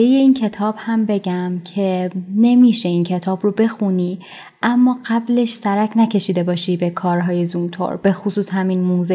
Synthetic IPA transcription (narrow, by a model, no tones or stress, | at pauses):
eje̞incʰe̞t̪ʰɒːbhæmbe̞ɟæmcʰe̞ne̞miːʃe̞iːncʰe̞t̪ʰɒːbrobe̞xuniː | ʔæmːɒːɢæble̞ʃsæɾæcʰnæcʰe̞ʃiːd̪e̞bɒːʃibe̞kʰɒːɾɦɒːje̞zunt̪ʰo̰ɾb̥e̞xusuːshæminmoːz